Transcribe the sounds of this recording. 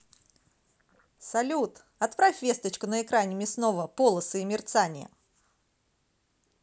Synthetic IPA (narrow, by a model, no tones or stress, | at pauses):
sɐlʲut̪ | ɐt̪pɾafʲvʲe̞st̪ət͡ɕkʊnəɪkɾanʲɪmʲɪsno̞vəpolˠəsɨːmʲɪrt̪sanʲɪ̰jə̰